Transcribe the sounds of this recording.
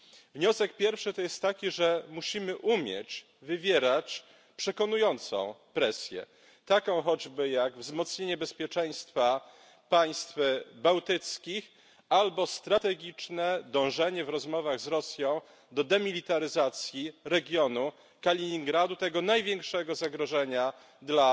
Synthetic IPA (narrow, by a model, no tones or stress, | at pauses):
vɲɔsɛkpʲjɛɾfʂɘt̪ɔjɛst̪ːakʲiʐɛmuɕimɘʔumʲjɛ̰t͡ɕ | vɘvʲjeɾat͡ɕ | pʂɛkɔnujɔnt̪sɔ̰̃w̃pɾɛsʲjɛ̰ | t̪akɔ̃w̃xɔd͡ʑbɘjaɡvzmɔt̪sɲeɲɛbɛspʲjɛt͡ʂɛj̃st̪fa | paj̃st̪fbawt̪ɘt̪skʲix | albɔst̪ɾat̪ɛɡʲit͡ʂnɛd̪ɔ̃w̃ʐɛɲɛvɾɔzmɔvaɣzɾɔsʲjɔ̃w̃ | d̪ɔd̪ɛmʲilʲit̪aɾɘzat̪sʲjiɾɛɡʲjɔnu | kalʲiɲiŋɡɾad̪ut̪ɛɡɔnajvʲjɛŋkʂɛɡɔzaɡɾɔʐɛɲa | d̪la